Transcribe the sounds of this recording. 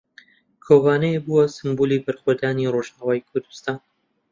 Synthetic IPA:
kʰoːvaːnɛjbuwɐsɨmbuːlibɨɾxod̪aːniroʒaːwaːjkʰʊɾd̪u̥st̪aːn

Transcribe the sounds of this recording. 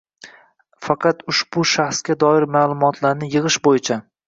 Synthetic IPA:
fɑqʰɑt̪ʊʃb̥ʊʃaχsɡʲad̪ɒɪɾmaːlˠʊmɒt̪ʰlaɾnɪjɨʁɨʃbojɪt͡ʃʰa

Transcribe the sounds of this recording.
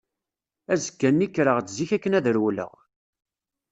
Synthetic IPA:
æzəkːænːikːɾəʁt͡sziçækːənæðɾwlə̰ʁ

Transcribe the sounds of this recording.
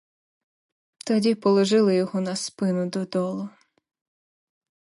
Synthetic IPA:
t̪ɐdʲipɔlˠɔʒɪlˠɪjɔɦɔnɐspɪnʊd̪ɔd̪ɔlˠʊ

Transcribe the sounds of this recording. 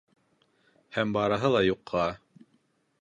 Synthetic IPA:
hæmbɑɾɤ̆ɦɤlˠɑjuqʰːɑ

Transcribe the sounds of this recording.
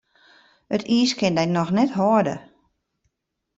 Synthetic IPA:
ətʰiːskɪndɛjnɔxnɛtɦɔədə̰

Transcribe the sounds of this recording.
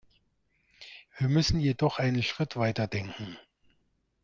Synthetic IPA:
viːɐmʏsn̩jedɔχʔaɪnənʃʁ̥ɪtv̥aɪtɐdɛŋkŋ̩

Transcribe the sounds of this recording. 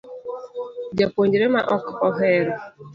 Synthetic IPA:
d͡ʒepʷoɲd͡ʒiɾema̰ʔɔkɔɦeɾʊ

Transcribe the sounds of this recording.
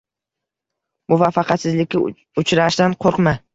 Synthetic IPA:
mʊvafːɑqʰɑt̪sɪzlɪkʲːɪ | ʊt͡ʃɾaʃd̪anqʰoɾqma

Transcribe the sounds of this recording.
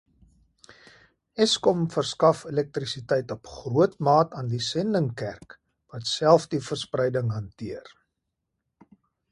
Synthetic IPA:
ɛskɔmfərskɐfəlɛk̚trisitɛjtɔpχruətmɑːtɑːndisɛndəŋkæ̰rk | vɐtsælˠfdifərsprɛjdəŋɦɐntiər

